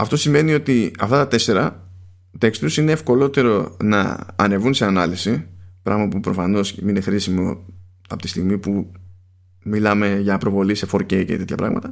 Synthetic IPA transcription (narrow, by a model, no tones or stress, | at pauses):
ɐft̪o̞sime̞nio̞t̪iɐft̪ɐt̪ɐt̪e̞se̞ɾɐ | t̪ekst̪usine̞ːfko̞lo̞t̪e̞ɾo̞nɐ̰ɐne̞vunse̞ɐnɐlisipɾʔɐ̰ɣmɐpupɾo̞fɐno̞sminexɾisimo̞̰ | ɐ̰pot̪i̥st̪iɣmipu | milɐme̞ʝɐpɾo̞vo̞lise̞fo̞ɾceice̞̰t̪e̞t̪çɐ̰pɾɐ̰ɣmɐ̰t̪ɐ